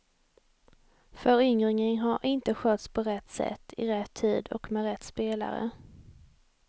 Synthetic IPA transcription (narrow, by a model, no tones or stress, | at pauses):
fœɾʏŋɾɪŋənɦaɾʔɪnt̪əɧœːt̪spʰɔɾɛt̪ːsɛ̰t̪ːɪɾɛt̪ʰːiːd̪ɔ̰kmɛɾɛt̪ːspeːla̰ɾə̰